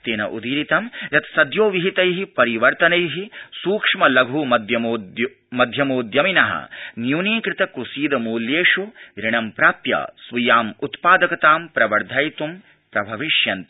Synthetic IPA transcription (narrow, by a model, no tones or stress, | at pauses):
t̪eːnɐ̰ʔṵd̪iːɾit̪ɐmjɐt̪sɐd̪joːʋiɦit̪ɐjɦipɐɾiʋɐɾt̪ɐnɐjɦisuːkʂmɐlɐɡʱumɐd̪jɐmoːd | mɐd̪ʱjɐmoːd̪jɐminɐɦɐ̰njuːniːkɾɪt̪ɐkusiːd̪ɐmuːljeːʂuɾiɳɐmpɾaːpjɐ̰sʋijaːmut̪paːd̪ɐkɐt̪aːmpɾɐʋɐɾd̪ʱaːjt̪um | pɾɐbʱɐʋiʂjɐnt̪